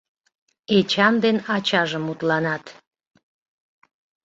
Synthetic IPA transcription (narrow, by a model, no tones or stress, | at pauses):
et͡ɕɑnd̪enɑt͡ɕɑʒəmut̪lɑnɑt̪